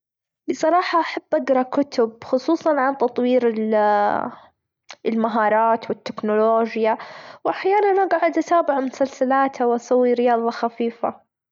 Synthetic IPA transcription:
bɨsˤɑɾˤɑːħɑʔaħabːʔaɡɾˤɑkʊt̪ʊbxʊsˤuːsˤɑnʕant̪ɑt̪ˤwiːɾɪl | ɪlmaɦɑːɾˤɑːt̪wɪt̪ːɪknʊloːd͡ʒjawʔaħjaːnanʔaɡaʕʊd̪ʔat̪aːbɪʕmʊsalsalaːt̪hawʔasawːiɾɪjɑːðˤɑxafiːfa̰

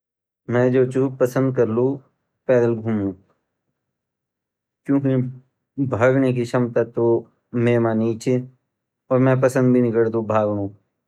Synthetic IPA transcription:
mɛ̃d͡ʒoːt͡ʃupəsə̃nd̪̚kəɾlu | pɛːd̪əlɡʱuːmũː | kjõːki | bʱaːɡnek̬iʃɐmt̪at̪o | meːmaːniːt͡ʃe | ɔːɾmɛ̃pəsə̃nd̪̚bʱinɪkəɽd̪obʱaːɡnũː

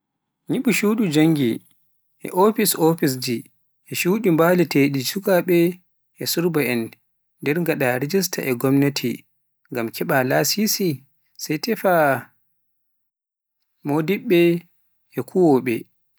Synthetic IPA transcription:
ɲiɓuʃuɗud͡ʒaŋɡi | ʔɛ̰ʔofisofis̬d͡ʒi | ʔɛʃuːɗimbalɛteɗisukaɓɛ | ʔɛsuɾbaɛnː | dɛɾŋɡaɗaɾed͡ʒis̬ta̰ʔɛɡɔmnetʰḭ | ŋɡamkʰɛɓalasisi | sajtɛfa | modiɓːɛ | ɛkʰuwɔɓɛ

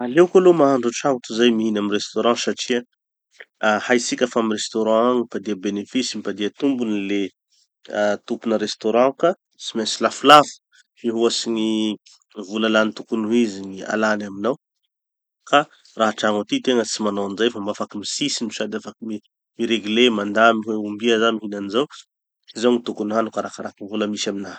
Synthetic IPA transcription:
alekalomaɦaɳɖ͡ʐuʈ͡ʂaŋut̪uzajmiinaminrest̪oɾɑ̃saʈ͡ʂia | hajsikʲafamirest̪oɾɑ̃aŋifad̪iəbenefisimipad̪iət̪umbunile | t̪upunəɾest̪oɾɑ̃ka | simesilafulafə̥ | fiɦuasiŋi | vulalanit̪ukunuɦiziŋia̰lanaminaw | ka | raɦaʈ͡ʂaŋat̪it̪eŋət͡simanaanizajfamafakimisisimisad̪afakimi | miɾeɡylemand̪amiɦweumbiazamiɦinanizaw | izawŋit̪ukunuɦanukaɾakaɾakivuləmisamina

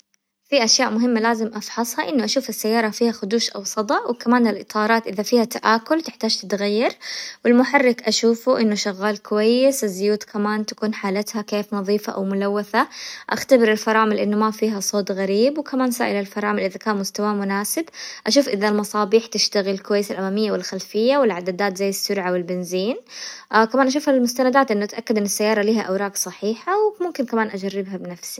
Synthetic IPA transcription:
fiʔaʃjaːʔmʊɦɪmːalaːzɪmʔɑfħɑsˤhɑʔɪnːʊʔaʃuːfɪsːajːɑːɾˤɑfiːhaxʊd̪uːʃʔa̰wsˤɑd̪ˤɑʔwɪkamaːnalʔɨt̪ˤʰɑːɾˤɑːt̪ʔɪðafiːhat̪aʔaːkʊlt̪ɪħt̪aːd͡ʒt̪ɪt̪ɣajːɑɾˤwɪlmʊħarːɪkʔaʃuːfuʔɪnːʊʃaɣːaːlkʊwajːɪsɪzːʊjuːt̪kʰamaːnt̪ḁkuːnħaːlat̪hakeːfnɑðˤiːfaʔa̰wmʊlawːaθaʔaxt̪abɪɾɪlfɑɾˤɑːmɪlʔɪnːʊmafiːɦasˤoːt̪ɣaɾiːbwkamaːnsa̰ːʔɪlalfɑɾˤɑːmɪlʔɪðakaːnmʊst̪awamʊnaːsɪbʔaʃ̬uːfʔɪðalmɑsˤɑːbiːħt̪ɪʃt̪aɣɪlɪlkʊwajːɪsalʔamamɪjːawɪlxalfɪjːawɪlʕad̪ad̪aːt̪zajːɪsːʊɾʕawɪlbɪnziːnkamaːnʔaʃ̬uːfhaɪlmʊst̪anad̪aːt̪ʔɪnːʊʔat̪ʔakːad̪ʔɪnːɪsːajːɑːɾˤɑliːhaʔawɾɑːksˤɑħiːħawmʊmkɪnkamaːnʔad͡ʒarːɪbɦabɪnafsi̥

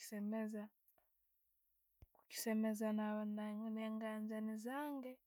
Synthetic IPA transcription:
semeza | ku̥ci̥semezanaβanaŋneŋɡanzanizaːŋɡɛ

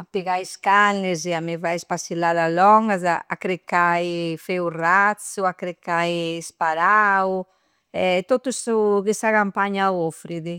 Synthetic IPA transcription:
apiɣajskanɪzɛamivajspasilaðalɔŋɡaz̬a̰a̰kɾekajfewrat̪suakɾekajspaɾaw | ɛt̪ot̪usukisakampaɲaofɾiðɪ

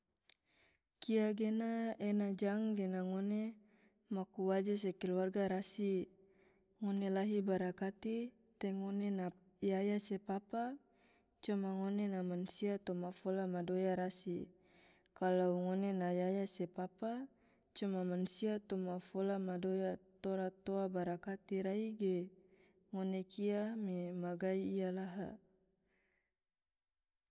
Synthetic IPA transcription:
kiaɡenaenad͡ʒaŋɡenaŋone | makuwad͡ʒas̬ekɛluarɡaɾasi | ŋonelaɦibaɾakat̪i | t̪ɛŋonena | jajasepapa | t͡ʃumaŋonenamansiat̪ɔmafolamadojaɾasi | kalauŋonenajajasepapa | t͡ʃumamansiat̪omafolamadojat̪oɾat̪oabaɾakat̪iɾaiɡe | ŋonekʰiamimaɡaiːjalaɦa̰

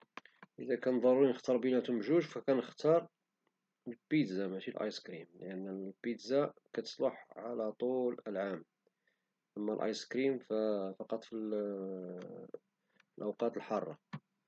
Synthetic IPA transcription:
ʔəd̪ækænd̪ˤɑɾˤuɾinəxt̪ɑɾˤbinæt̪ʊmʒuʒfækænəxt̪ʰɑɾˤ | lpid̪zamæʃilʔɑ̰jskɾimləʔənːlbid̪zakæt̪ə̥sˤlɑħʕalæt̪ˤuləlʕam | ʔæmːælʔɑ̰jskɾimfæfɑqɑt̪ˤfil | lʔəwqɑt̪əlħɑrˤːɑ̰

